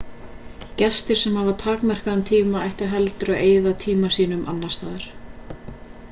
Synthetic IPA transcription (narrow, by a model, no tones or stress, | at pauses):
cɛst̪ɪɾ̥sɛmhavat̪ʰaːkmɛr̥kaðant̪ʰiːmaajht̪aɦɛlt̪ʏɾaðeːjðat̪ʰiːmasiːnʏmʔa̰nːast̪a̰ːðaɾ̥